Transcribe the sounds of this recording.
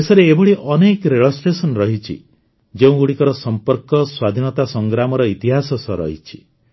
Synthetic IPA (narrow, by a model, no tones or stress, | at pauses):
esɔɾeːbɔɭiʔɔnekɾeɭɔsʈesɔnɾɔɦit͡ʃʰḭ | d͡ʒeũɡuɽikɔɾɔsɔmpɔɾkɔswad̪ʱinɔt̪asɔŋɡɾamɔɾɔit̪iɦasɔsɔɾɔ̰ɦit͡ʃʰi̥